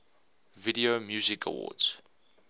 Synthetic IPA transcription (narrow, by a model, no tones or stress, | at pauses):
vidiomjuːzɪkʰə̰wɔ̰dz̥